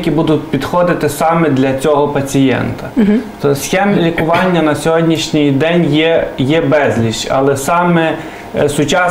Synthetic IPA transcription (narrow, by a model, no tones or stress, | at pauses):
kʲibud̪ʊtʲpʲid̪xɔd̪ɪt̪ɪsɑmɛd̪lʲɐt͡sʲɔɦɔpɐt͡sʲijɛ̰nt̪ɐt̪ɔsxʲɛmlʲikʊʋɑnʲːɐnɐsʲɔɦɔdʲnʲiʃnʲɪjd̪ɛnʲjɛjɛbɛzʲlʲiʃt͡ʃɐ̰lˠɛsɑmɛ | sʊt͡ʃɑ